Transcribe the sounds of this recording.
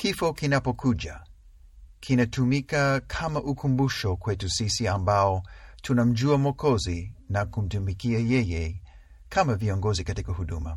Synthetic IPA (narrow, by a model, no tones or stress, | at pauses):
kifɔkinapɔkʰuʄa | kʰinatumikakʰamaʔukʰumbuʃɔkwɛtusisiambaɔtʰunam̩d͡ʒuamwɔkʰɔzinakum̩tumikiajɛjɛ | kʰamaviɔŋɡɔzikatikahuɗuma